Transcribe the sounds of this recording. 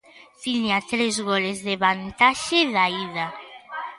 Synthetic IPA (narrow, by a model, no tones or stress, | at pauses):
fiɲat̪ɾezɣolezðeβant̪aʃeðaiða